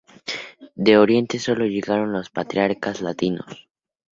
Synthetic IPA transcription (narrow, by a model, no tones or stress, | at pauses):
d̪e̞o̞ɾje̞nt̪e̞so̞lo̞ʝe̞ɣaɾo̞nlo̞spat̪ɾjaɾkazlat̪ino̞̰s